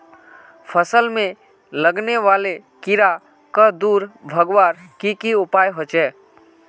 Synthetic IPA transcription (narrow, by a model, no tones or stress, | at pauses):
pʰəsəlmẽ | ləɡneʋaːlekɪɾa | kad̪uːɾbʱəɡʋaːɾkikiʊpaːjɦot͡ʃɛː